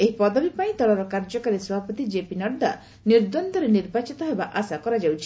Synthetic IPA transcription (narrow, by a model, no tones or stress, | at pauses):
eɦipɔd̪ʱɔbipaĩt̪ɔɭaɾɔkaɾd͡ʒɔkaɾesɔbʱapɔt̪id͡ʒepinɔɖːa | niɾd̪ɔnd̪ɔɾeniɾbat͡ʃit̪ɔɦebaʔasakɔɾad͡ʒawt͡ʃʰi̥